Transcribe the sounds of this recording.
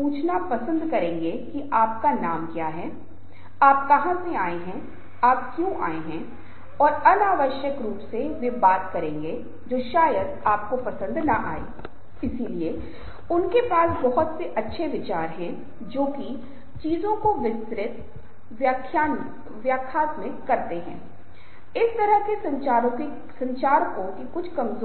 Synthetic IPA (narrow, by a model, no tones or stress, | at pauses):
ũːt͡ʃʰnapɐsə̃nd̪kɐɾẽːŋɡekiʔaːp̚kanaːmkjaːɦɛː | aːp̚kɐɦãseaːeɦɛ̃ | aːpkjũːʔa̰ːeɦɛ̃ | ɔːɾɐnaːʋəʃjəkɾuːpseʋebaːt̪kɐɾẽːŋɡe | d͡ʒoːʃaːjəd̪aːp̚kopɐsə̃nd̪nɐʔa̰ːḛː | ɪsilie | ʊnkepaːsbɐɦʊt̪seʔɐtːʃʰeʋɪt͡ʃaːɾɦɛ̃ | d͡ʒoːki | t͡ʃiːzõkoʋɪst̪ɾɪt̪ | kʰjan | ʋjaːkʰːaːt̪mẽkɐɾt̪eɦɛ̃ː | ɪst̪ɐɾəɦkesɾõk | sɐ̃ɲt͡ʃaːɾkõkikʊt͡ʃʰkɐmzo